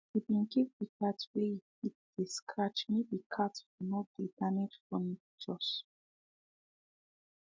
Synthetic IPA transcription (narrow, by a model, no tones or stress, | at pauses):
ibĩnkik̚dikatwe | it̚d̥eskɹat͡ʃmidikʰatfunɔd̥edaned͡ʒfɔ̃mi | d͡ʒɔs